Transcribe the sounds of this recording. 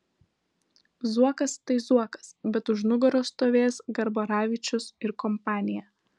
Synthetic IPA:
zuɔkɐst̪ɐɪzuɔkɐ̥sbʲɛt̪ʊʃnʊɡɔɾoːst̪oːʋʲeːsɡɐɾboːɾɑːʋʲɪˑt͡ʃʲʊsɪɾkɔmpɑːnʲɪjɛ

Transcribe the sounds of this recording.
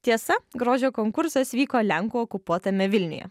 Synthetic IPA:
t̪ʲiɛsɐɡɾoːʒʲoːkoːŋkʊɾsɐsʋʲiːkoːlʲɛŋkuːɔkʊpuɔt̪ɐmʲɛʋʲɪlʲnʲʊ̰jɛ̰

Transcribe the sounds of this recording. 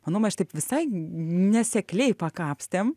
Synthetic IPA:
mɐnoːmʲɐʃt̪ɐɪpʋʲɪsɐɪnʲɛsʲɛklʲɛɪpɐkɑːpʲsʲt̪ʲeːm

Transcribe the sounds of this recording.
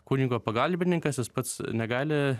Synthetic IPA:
kuːnʲiɡoːpɐɡɐlʲbʲɪnʲɪŋkɐsjɪspɐt̪snʲɛɡɑːlʲɪ

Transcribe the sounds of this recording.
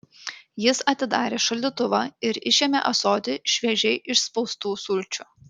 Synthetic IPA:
jɪsɐt̪ʲɪd̪ɑːɾʲeːʃɐlʲd̪ʲit̪ʊʋɑːɪɾɪʃʲemʲḛʔɐsoːd̪ʲɪʃʲʋʲɛʒʲɛɪʔɪʃspɒʊst̪uːsʊlʲt͡ʃʲʊˑ

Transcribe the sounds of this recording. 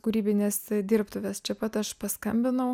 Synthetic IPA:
kʊɾʲiːbʲɪnʲesd̪ʲiːrpt̪ʊʋʲɛst͡ʃʲɛpɐt̪ɐʃpɐskɐmʲbʲɪnɐʊ

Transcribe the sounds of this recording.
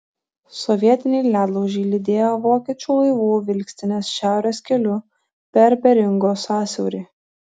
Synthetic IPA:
sɔʋʲiɛt̪ʲɪnʲɛɪlʲæːd̪lˠɔʊʒʲɛɪlʲɪd̪ʲeːjoːʋoːkʲiɛt͡ʃʲuːlˠɐɪʋuːʋʲɪlʲksʲt̪ʲɪnʲeːsʃʲæˑʊɾʲeːskʲɛlʲʊ | pʲɛɾbʲɛɾʲɪŋɡoːsɑːsʲɛʊɾʲiː

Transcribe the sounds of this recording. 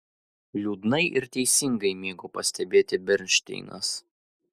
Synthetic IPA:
lʲuːd̪nɐɪʔɪɾt̪ʲɛɪsʲɪŋɡɐɪmʲiːɡʊpɐsʲt̪ʲɛbʲeːt̪ʲɪbʲɛɾʲnʲʃʲt̪ʲɪ̰ɪnɐ̰s

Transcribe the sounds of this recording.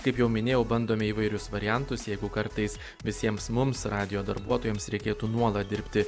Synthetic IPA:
kɐɪpjɛʊmʲɪnʲeːjɛʊbɐnd̪oːmʲɛiʋɐɪɾʲʊsʋɐɾʲɪjɛnt̪ʊsjɛɪɡʊkɐɾt̪ɐɪs | ʋʲɪsʲiɛmsmʊmsɾɑːd̪ʲɪjoːd̪ɐɾbuɔt̪oːjɛmsɾʲɛɪkʲeːt̪uːnuɔlˠɐt̪̚d̪ʲɪɾʲpʲt̪ʲɪ

